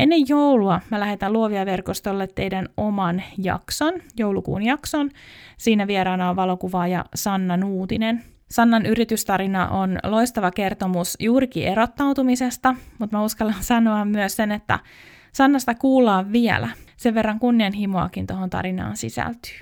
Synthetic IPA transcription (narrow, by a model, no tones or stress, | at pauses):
enːe̞jːowluɑmælæhet̪æluoʋiɑʋe̞rkost̪olːet̪ːe̞jdænomɑnjɑ̰ksonjouwlukṵːnjɑksonsiːnæʋieɾɑːnɑoʋʋɑlo̞kuʋɑːjɑ̰sɑnːɑnuːt̪inen | sɑnːɑnyɾit̪yst̪ɑɾinɑ̰ʔonlo̞ist̪ɑʋɑke̞rt̪omusjuːɾikḭe̞ɾot̪ːɑwt̪umisest̪ɑmut̪mæuskɑlːɑnsɑnoɑmmyøssenet̪ːæ̰ | sɑnːɑst̪ɑkuːlːˑɑːʋʋiḛlæ̰seʋʋe̞rːɑŋkunːiɑnɦimoɑ̰kint̪o̞ɦont̪ɑ̰ɾinɑ̰ːnsḭsæ̰lt̪y̥ː